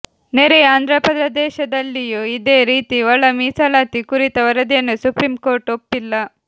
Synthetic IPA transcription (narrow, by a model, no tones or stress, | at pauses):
neɾɛjaːnd̪ʱɾɐpɐd̪ɾɐd̪ɛːʃɐd̪ɐlːijuid̪e̞ːɾiːt̪iʋɐɭːɐmiːsɐlaːt̪ikuɾit̪ɐʋɐɾɐd̪jɐnːusupɾiːmko̞ːɾʈopːilːɐ